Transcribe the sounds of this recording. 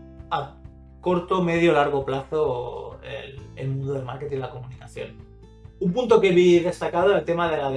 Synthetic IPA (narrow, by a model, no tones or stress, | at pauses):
a | ko̞ɾt̪ome̞ð̞jolaɾɣ̞o̞plaθoḛlḛlmũnd̪oðelmaɾket̪ilako̞munikaθjo̞̰n | ump̬unt̪o̞ke̞βiðe̞st̪akað̞oelt̪e̞mað̞e̞lað